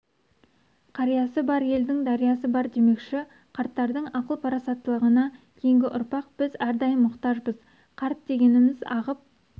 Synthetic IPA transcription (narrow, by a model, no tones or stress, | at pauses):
qʰɑɾijɑsəbɑɾje̞ld̪ɪŋd̪ɑɾijɑsəbɑɾd̪e̞me̞kʃɪ | qʰɑɾt̪ːɑɾd̪əɴɑqəlˠpʰɑɾɑsɑt̪ːəlˠəʁənɑkʲʰe̞jɪŋɡʲɪʔʊɾpɑq̚b̥ɪzæɾd̪ɑjənmʊqt̪ɑʒbəz̥ | qʰɑɾt̪̚d̪e̞ɡʲe̞nɪmɪzɑ̰ʁəp̚